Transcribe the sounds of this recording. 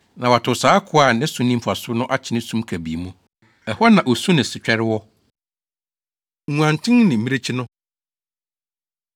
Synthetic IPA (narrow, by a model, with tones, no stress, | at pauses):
nã˨wa˨tʰʊ˨saː˦kʰʊ˦a˨nɪ̃˦sũ˦nĩ˦mfa˨sʊ˦nʊ̃˦ʔa˦t͡ɕʰɪ˨nɪ̃˦sũ˦mkʰæ˨bḭ˨mũ˦ | ɛ˨hɔ˦nã˨ʔo˨su˦nɪ̃˨sɪ˨t͡ɕᶣɛ˦ɾɪ˦wɔ˦ | ŋũ˨ã˨ntʰɪ̃˦ŋnɪ̃˨mi˦ɾe˦t͡ɕʰɪ˦nʊ̃˦